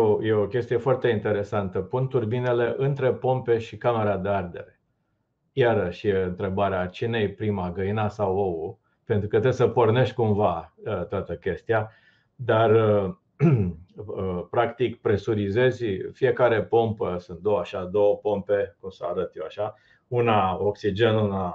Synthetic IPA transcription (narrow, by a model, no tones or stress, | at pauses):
jojeokʲe̞st̪ije̞foart̪e̞int̪e̞ɾe̞sant̪əpunt̪urbine̞le̞ʔɨnt̪ɾe̞po̞mpe̞ʃikame̞ɾad̪eard̪e̞̰ɾe̞ | jaɾəʃjeɨnt̪ɾe̞baɾeat͡ʃine̞jpɾimaɡəinasawou | pe̞nt̪ɾukət̪ɾebsəpo̞rne̞ʃt̪ʲkumvaət̪oat̪əkʲe̞st̪ia | d̪ar | əpɾakt̪ikpɾe̞suɾize̞zʲfije̞kaɾe̞po̞mpəsunt̪̚d̪owaʃad̪o̞wəpo̞mpe̞kumsəa̰ɾət̪jewaʃa | unaoksid͡ʒe̞nuna